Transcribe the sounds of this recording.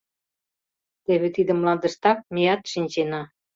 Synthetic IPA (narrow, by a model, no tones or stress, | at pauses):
t̪eβĕt̪id̪ə̆mlɑnd̪ə̆ʃt̪ɑk̚mʲejɑt̪ʃinʲt͡ɕenɑ